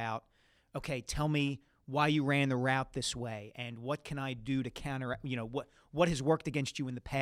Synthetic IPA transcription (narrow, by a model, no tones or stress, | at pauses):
aʊt̚ | oʊkʰeɪtʰɛlˠmi | waɪjɨɹæ̃nðəɹaʊt̪̚ðɪsweɪʔɨ̃nwʌt̚kʰɨ̃naɪdɨɾɨkʰãʊ̃ɾ̃ə˞jɨñoʊwʌ | wʌt̚hɨzwɜ˞k̚tɨɡɛ̃nst͡ʃɨɨ̃nðɨpʰæ